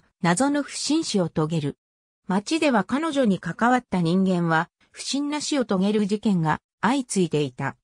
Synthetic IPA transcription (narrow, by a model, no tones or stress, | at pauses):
nazo̞no̞ɸɯ̟̥ɕĩɰ̃ɕio̞t̪o̞ɡe̞ɾɯ̟ | mat͡ɕid̪e̞βakano̞ʑo̞ɲ̟ikakaβat̪ːaɲ̟ĩŋɡẽ̞ɰ̃βa | ɸɯ̟̥ɕĩnːaɕio̞t̪o̞ɡe̞ɾɯʑikẽ̞ŋɡa | ait͡sɨit̪e̞it̪a